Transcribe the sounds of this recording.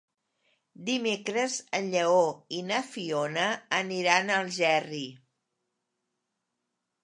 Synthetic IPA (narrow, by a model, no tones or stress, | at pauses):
d̪imekɾəzənʎəoinəfionəːniɾanəlˠʒɛri